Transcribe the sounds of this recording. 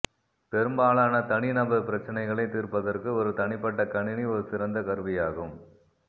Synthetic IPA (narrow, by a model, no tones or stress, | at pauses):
pɛɾɯmbaːɭaːnɐt̪ɐɳɪnɐbɐpɪɾɐt͡ʃːɐnɐɪɣɐɭɐɪt̪iːrpɐðɐrkɯɔɾɯt̪ɐɳɪpːɐʈːɐkɐɳɪniɔɾɯsɪɾɐnd̪ɐkɐɾɯʋɪjaːɣɯm